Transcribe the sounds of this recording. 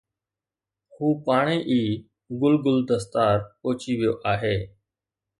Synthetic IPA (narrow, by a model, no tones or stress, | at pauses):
huːpaːɳ̃ẽːʔiː | ɡʊlɡʊld̪əst̪aːɾoːt͡ʃiʋɪjoːʔaːɦeː